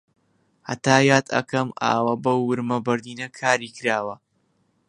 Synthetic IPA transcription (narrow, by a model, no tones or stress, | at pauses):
hɐ̰t̪aːjaːt̪ɐ̰kɐmʔa̰ːwɐbɐwːɨɾmɐbɐɾd̪iːnɐkʰaːɾiːkɨɾaːwɐ